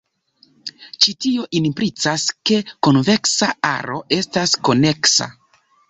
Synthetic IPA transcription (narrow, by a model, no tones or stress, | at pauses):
t͡ʃitio̞ʔinpɾit͡saske̞konve̞ksaa̰ɾo̞ʔe̞stasko̞ne̞ksa̰